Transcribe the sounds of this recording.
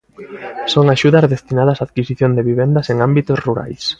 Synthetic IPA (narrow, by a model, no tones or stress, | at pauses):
soŋaʃuðɐzðest̪inaðɐsaːðkisiθjõnd̪eβiβ̞end̪ɐseŋambit̪osruɾa̰js